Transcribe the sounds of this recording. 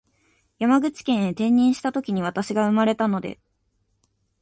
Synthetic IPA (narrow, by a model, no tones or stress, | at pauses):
jamaɡɯ̟t͡ɕi̥kẽ̞ɰ̃et̪ẽ̞ɲ̟ːĩɰ̃ɕi̥t̪at̪o̞kʲiɲ̟iβ̞at̪aɕiɡaɯ̟maɾe̞t̪ano̞d̪e̞̰